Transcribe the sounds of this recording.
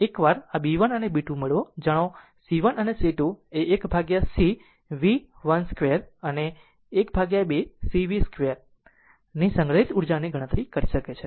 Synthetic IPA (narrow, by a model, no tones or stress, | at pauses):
ekʋaɾabiʋənənebiʈũmeɭʋod͡ʒəɽ̃o | siʋənəneseʈueːkbʱaɡjasi | ʋi | ʋənskʋeəɾəneː | kbʱaɡjabesiʋiskʋejəɾ | nisəŋɡɾəɦit̪uɾd͡ʒaniɡʱəɽ̃ət̪ɾikəɾiʃəket͡ʃʰe